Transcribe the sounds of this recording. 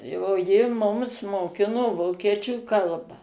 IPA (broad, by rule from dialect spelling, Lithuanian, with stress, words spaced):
oː ˈjɪ ˈmʊms moːˈkʲɪnoː ˈʋoːkʲiɛt͡ʃʲuː ˈkɐlˠbɑː